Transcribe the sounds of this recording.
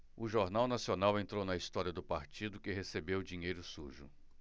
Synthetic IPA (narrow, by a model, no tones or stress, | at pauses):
ʊʒoɾnawnasionawẽnt̪ɾownɐist̪ɔɾiɐd̪ʊpaɾt͡ʃid̪ʊkɪɦesebewd͡ʒiɲejɾʊsuʒʊ̰